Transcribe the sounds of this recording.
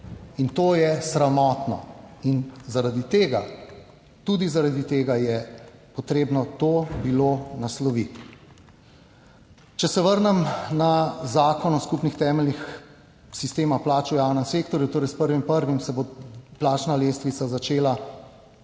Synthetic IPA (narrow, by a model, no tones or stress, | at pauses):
int̪oːjɛsɾamɔːt̪nɔ̰inzaɾad̪it̪eːɡa | t̪ud̪izaɾad̪it̪eːɡajɛpɔt̪ɾeːbnɔt̪oːbilonaslɔʋit̪ | t͡ʃɛsɛʋəɾnɛmnazaːkɔnɔskupnixt̪ɛːmɛlnix | sist̪eːmaplaːt͡ʃujawnɛmseːk̚t̪ɔɾjut̪oːɾɛjspəɾʋimpəɾʋimsɛboplaːt͡ʃnaleːst̪ʋit̪sazat͡ʃeːla